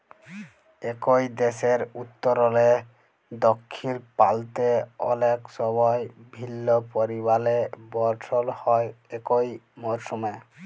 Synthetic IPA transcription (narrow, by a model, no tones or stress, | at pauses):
ekojd̪eseɾut̪ːɔɾɔle | d̪ɔkʰːilpalt̪eɔ̰leksɔbɔjbʱilːopoɾibalebɔɾʈʰɔlhɔjekojmɔɾsɔme